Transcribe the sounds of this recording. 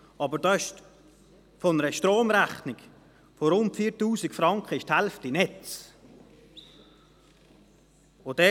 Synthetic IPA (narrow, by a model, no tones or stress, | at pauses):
ɑbəɾdɑɪʃt | fɔnəɾəʃtɾoːmɾæχnɪɡ̥ | foɾʊntfiːtuːsɪkfɾɑŋkχəɪʃthɛlftinɛt͡s | od̥ɛ